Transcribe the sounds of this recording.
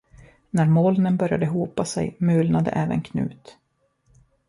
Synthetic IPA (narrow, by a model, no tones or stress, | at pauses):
næɾmɔːlnənbœɾja̰d̪əɦuːpasɛ̰jmʉːlnad̪ə̰ʔɛːvə̰nkʰnʉ̟̰ːt̪